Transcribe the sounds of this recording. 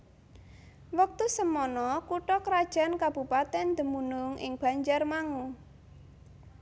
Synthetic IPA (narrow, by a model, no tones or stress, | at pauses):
wak̚t̪usəmɔnɔkuʈɔkəɾad̥ʒ̥a̤nkab̥upat̪ɛnd̪̥ə̤munʊŋɪ̰ŋb̥a̤ɲd͡ʒarmaŋu